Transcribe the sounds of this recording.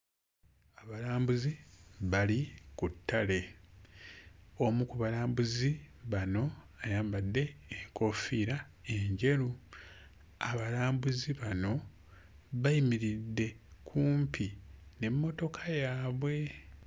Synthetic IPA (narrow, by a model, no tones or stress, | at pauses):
aβalaːmbuziβalikutːale̞ | o̞mukuβalaːmbuzi | βano̞ | ajaːmbadːe̞ːŋko̞fiːɾa | e̞ɲɟe̞ɾu | aβalaːmbuziβano̞ | βaimiɾidːe̞kʰuːmpʰine̞mːo̞to̞kʰajaːβwe̞